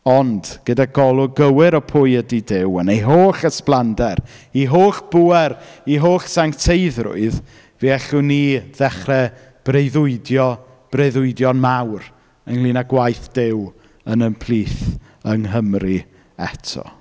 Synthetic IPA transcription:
ɔndɡ̥ədaɡɔlˠʊɡəwɪɾɔpʰʊɨədidɪwənejɦoːɬəsplˠandɛɾiɦoːɬb̥uɛɾiɦoːɬsaŋtʰeɨðrʊ̰ɨð | viɛɬʊniðɛχrɛ | b̥rejðʊɨdjɔ | b̥rejðʊɨdjɔnmawr | ənlˠiːnaɡwajθd̥ɪw | ənənpʰlˠiːθ | əŋɦəmri | ɛtʰɔ̰

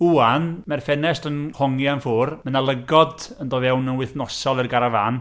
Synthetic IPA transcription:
uanmɛrfɛnɛstənhɔŋjanfʊːrmənalˠəɡɔdəndɔːðɛwnənwɪθnɔsɔlˠərɡaɾavan

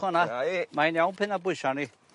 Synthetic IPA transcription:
ɔnamainjawnpʰɪnabʊʃani

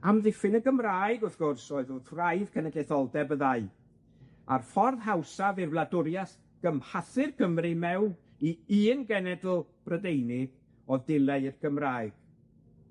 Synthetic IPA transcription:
amðɪfɪnəɡəmraːɨɡʊθɡ̥ʊrsɔɨðʊðrajðkʰɛnɛdleθɔlˠdɛbəðaɨ | a̰rfɔrðɦawsavɪrvlˠadʊɾjas | ɡ̥əmhaθɨrɡʰəmrɪmɛwn | iiːnɡɛnɛdl̩ˠb̥rədejnɪ̥ | ɔðdɪlˠɛrɡəmraːɨɡ̥

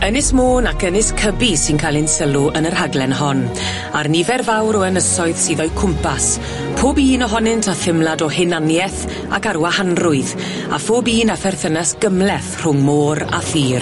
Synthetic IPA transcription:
ənɪsmoːnakənɪskʰəbisɪnkʰalˠɪnsəlˠuʔənərhaɡlɛnɦɔn | arnivɛrvawɾɔənəsɔɨðsiːðɔɨkʰʊmpas | pʰoːbiːnɔɦɔnɪntʰaθɪmlˠadɔhɪnanjɛθ | akaɾwahanrʊɨð | a̰foːbiːnafɛrθənasɡ̥əmlɛθr̥ʊŋmoːɾa̰fiːr

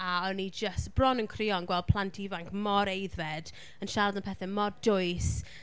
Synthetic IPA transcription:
aɔnid͡ʒəstb̥rɔnənkʰriɔnɡwɛlˠd̚pʰlˠantʰivaŋkmɔɾejðvɛd̥ | ənʃardanpʰɛθɛmɔdʊjs

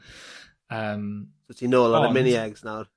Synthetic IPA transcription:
əːmsotʰinoːlˠɔɾəmɪniɛɡznawr

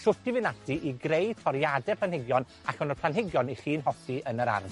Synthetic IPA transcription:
sʊtivɪnadiʔiɡrejtʰɔɾjadɛpʰlˠanhɪɡjɔn | akɔnɔpʰl̥ˠanɦɪɡjɔniχiːnɦɔfiʔənəɾa̰r

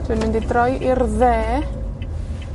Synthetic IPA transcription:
tʰɪːnmɪndidrɔjʔɪrðɛː

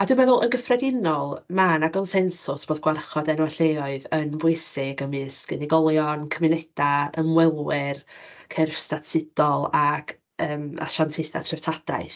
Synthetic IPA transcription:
adumɛðʊlˠənɡəfrɛdɪnɔlˠmanakɔnsɛnsʊsb̥oːdɡ̥warχɔdɛnwɛɬeɔɨðənbʊɨsɪɡəmɨskəniɡɔlˠjɔnkʰəmɪnɛd̥aəmwɛlˠwɪrkʰɛrfstatʰsɪd̥ɔlˠaɡ | əːma̰ʃantʰɪθa̰tʰrɪvtʰad̥a̰ɨθ

